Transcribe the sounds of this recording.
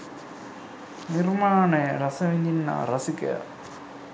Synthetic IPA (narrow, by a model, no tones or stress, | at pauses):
nirmaːneɾɐsɐʋind̪inːa̰ːɾɐsikːɐ̰